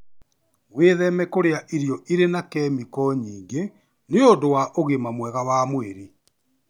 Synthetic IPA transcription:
ɣweːðɛmɛkoɾeaʔiɾjɔʔiɾenakɛːmikɔɲiːŋɡe | neodowaʔoɣemamwɛɣawaːmweɾi

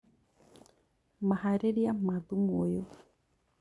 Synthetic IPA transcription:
mahaɾeɾiamaðumojo

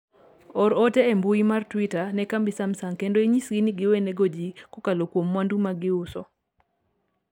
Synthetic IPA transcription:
ɔɾɔteembuimartwitanɛkambisamsaŋkendoiɲisɡiniɡɪweneɡod͡ʒikokalokwomːwandumaɡɪʊsɔ

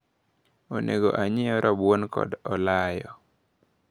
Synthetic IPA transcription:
onʔeɡoʔaɲɪɔɾʔɔbwonkɔ̰dɔlajɔ

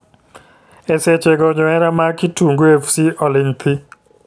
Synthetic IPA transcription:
ɛset͡ʃeɡɔɲɔɛɾamakituŋɡuefsiɔlinpʰi

